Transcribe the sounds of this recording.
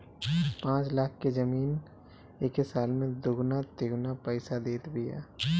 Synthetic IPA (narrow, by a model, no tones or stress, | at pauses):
pãːt͡ʃlaːk̚ʰkezɐmiːn | eːkɦesaːlmẽd̪ʊɡnat̪eɡnapɛːsad̪eːt̪bɪja̰ː